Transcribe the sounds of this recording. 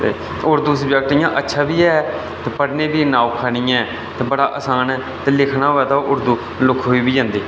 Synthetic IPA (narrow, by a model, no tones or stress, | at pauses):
t̪eː | ʊɾd̪uːsəbjək̚ʈijãːʔətːʃʰaːbiːɛː | t̪eːpəɽnẽːbiːnaːoːkʰaɽɪjãːɛ | t̪eːbəɽaːʔəsaːn | t̪eːlɪkʰnaːoɛːt̪aːʔʊɾd̪uː | lʊkʰɦoːiːbiːd͡ʒãːnd̪iː